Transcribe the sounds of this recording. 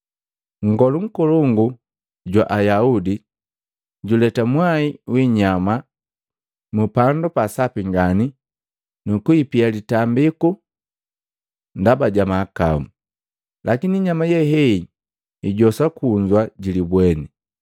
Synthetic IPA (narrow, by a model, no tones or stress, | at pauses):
ŋ̩ɡɔluŋ̩kɔlɔŋɡu | ɟwaʔajaudi | ɟulɛtamwaiwiɲama | mupandɔpasapiŋɡani | nukuipialitambiku | ndabaɟamaːka̰mu | lʔakiniɲamajɛɦɛi | iɟɔsakuɲd͡ʒwaɟilibwɛnɛ